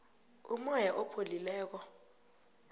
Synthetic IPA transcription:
umɔjaʔɔpʰolilɛːk̬ɔ

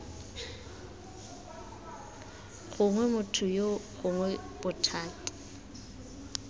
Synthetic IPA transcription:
ɣʊŋwɛmʊtʰʊjoɣʊŋwɛb̥ʊtʰaːtɪ̥

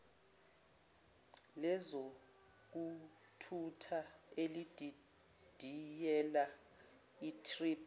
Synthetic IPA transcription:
lɛzo | k̬u | tʰutʰaelid̥ʱi | d̥ʱijɛla | itʰripʰ

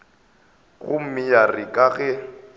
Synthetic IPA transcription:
ɣʊ̰m̩mɪjarɪkʼaɣɛ

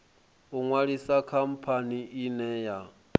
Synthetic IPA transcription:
uŋwaɺisakʰam̩pʰaniʔinɛja

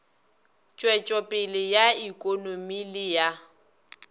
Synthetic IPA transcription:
t͡ʃʼwɛt͡ʃʼɔpʼɪlɪjaikʼonomilɪja

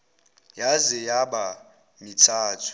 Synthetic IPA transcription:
jazɛjaɓa | mitʰaːtʰu̥

